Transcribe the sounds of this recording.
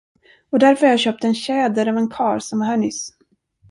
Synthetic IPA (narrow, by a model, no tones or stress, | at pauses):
ɔd̪æɾfœɾjaɕœːp̚t̪əɛnɕɛːd̪əɾɑvɛnkʰɑːɾsɔmvahæɳʏs